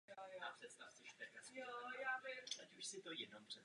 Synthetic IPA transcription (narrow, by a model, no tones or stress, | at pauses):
jojoapr̥ɛt̪st̪aft͡soʃt̪ɛkajojaːvɪacuʃsɪt̪o̞jɛdnompr̥ɛ